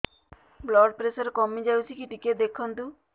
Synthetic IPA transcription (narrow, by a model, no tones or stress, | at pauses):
blɔɖpɾesɔɾekɔmid͡ʒawt͡ʃʰikiʈiked̪ekʰɔnt̪u